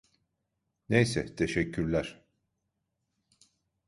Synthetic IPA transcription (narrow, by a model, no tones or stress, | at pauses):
nejsɛt̪ʰeʃɛcʰːyɾlʲæɾ̥